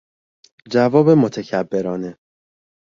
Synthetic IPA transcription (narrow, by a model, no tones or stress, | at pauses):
d͡ʒævɒːbe̞mot̪ʰecʰæbːe̞ɾɒːne